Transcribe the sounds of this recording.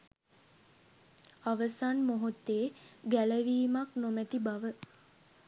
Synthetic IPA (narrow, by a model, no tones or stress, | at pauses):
aʋəsanmoɦut̪ːeːɡæləʋiːmaknomæt̪ibaʋə